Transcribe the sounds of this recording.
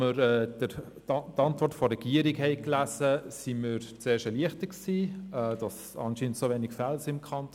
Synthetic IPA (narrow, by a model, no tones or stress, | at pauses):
məɾɛːdə | tɑntvɔrtfɔɾɛɡiəɾikhɛɪklæsəsiməɾt͡seːʃəliəχtəksiːɛːd̥ɑs | ɑ̰nʃiːnəntsoʋeːnɪkfælsɪmkʰɑnt